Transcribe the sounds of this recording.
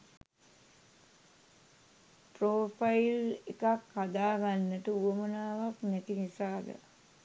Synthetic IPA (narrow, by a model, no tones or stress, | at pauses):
pɾoːfailekakhad̪aːɡanːəʈəuʋəmənaːʋaknɛt̪inisaːd̪ə̰